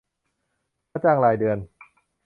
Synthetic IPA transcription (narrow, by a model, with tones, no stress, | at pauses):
aː˧˥t͡ɕaː˧ŋlaː˧˩jdɯ˧ən